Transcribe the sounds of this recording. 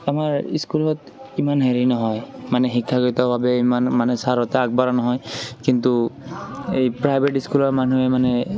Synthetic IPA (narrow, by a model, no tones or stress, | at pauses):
amaɹiskulɔt | imanɦeɹinɔɦɔjmanɛxikʰːaɡoitɔbabɛimanmanɛsaɹɔtɛak̚baɹanɔɦɔjkintu | ejpɹajbʱeʈiskulɔɹmanuɛmanɛ